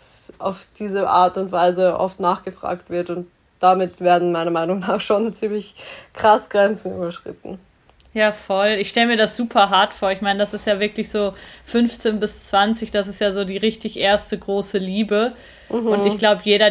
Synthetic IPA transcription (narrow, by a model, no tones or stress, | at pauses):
sʔa̰ʊfd̥iːzəʔa̰ːɐtʊntv̥aɪzəʔɔ̰ftnaːχɡ̥əfʁ̥a̰ːktv̥ɪɐtʊnt | d̥amɪtv̥eːɐdn̩maɪnɐmaɪnʊŋnaːχʃoːnt͡siːmlɪçkʁ̥asɡ̥ʁɛnt͡sn̩y̰ːbɐʃʁ̥ɪ̰tn̩ | jaːfɔlɪçʃtɛləmiːɐdasz̥uːpʰɐɦaɐtfoːɐɪçmaɪnədasɪstjaːvɪɐklɪçz̥oːfʏnft͡seːnbɪst͡sv̥ant͡sɪçd̥asɪstjaːzoːdiːʁɪçtɪçʔeːɐstəɡʁoːsəliːbə | hʊntɪçɡ̥laʊbəjeːɾɐ